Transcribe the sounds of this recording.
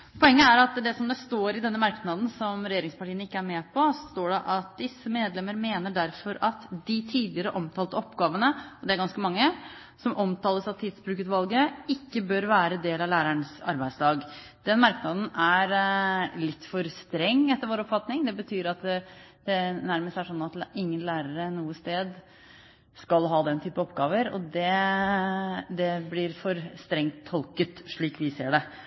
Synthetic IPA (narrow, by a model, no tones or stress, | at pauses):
pʰɔɛŋːəæɾɑt̪d̪ɛsɔmd̪ɛst̪oːɾɪd̪ɛnːəmɑɾknɑd̪n̩sɔmɾɛjeːɾɪŋspɑʈiːənɪkːəæɾmɛːpʰɔst̪oːɖɛʔɑt̪̚d̪ɪsːəmeːd̪lɛmːəɾmeːnəɖæɾfɔɾɑt̪d̪ɪt̪ʰiːd̪lɪəɾəʔɔmt̪ʰɑːlt̪əɔpɡɑːʋənəɔd̪ɛæɾɡɑnskəmɑŋːə | sɔmʔɔmt̪ʰɑːləsɑt̪ʰiːd̪sbɾʉːkət̪ʋɑlɡəɪkːəbøɾʋæːɾəd̪eːlɑʋlæːɾæɳsɑ̰ɾbæɪd̪slɑːɡ | d̪̥ɛnmɑɾknɑːd̪n̩æɾlɪt̪ːfɔɾst̪ɾɛŋːɛt̪ːəɾʋoːɾɔpfɑt̪nɪŋd̪ɛbət̪ʰyːɾɑt̪d̪̥ɛnæɾməst̪æʂɔnːɑt̪ɪŋːənlæːɾəɾənuːəst̪eːd̪ | skɑlɦɑːd̪ɛnt̪ʰyːpəɔpːɡɑːʋəɾɔ̰d̪ɛ | d̪ɛblɪɾfɔɾst̪ɾɛŋt̪ʰːɔlkət̪ʂɭiːkʋɪsḛːɖɛ